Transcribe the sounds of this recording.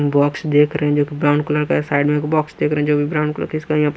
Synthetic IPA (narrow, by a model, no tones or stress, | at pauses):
bɔːksd̪eːkʰɾəɦɛ̃d͡ʒoːkibɾãːʊɳɖkʊləɾkasaːɪɖmẽkbɔːksd̪eːkʰɾɛɦɛ̃d͡ʒoːbʱibɾaːʊ̃ɳkʊlə̰ɾkɪskaijãp